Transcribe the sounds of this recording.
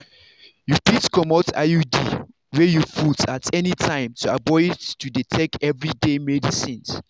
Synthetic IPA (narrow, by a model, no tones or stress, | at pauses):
jufitkɔmɔta̰judi | wɛjufudsatʰɛnitʰãɪ̃mtʰuabɔɪttuditʰɛk̚ɛvɹidemɛdisĩns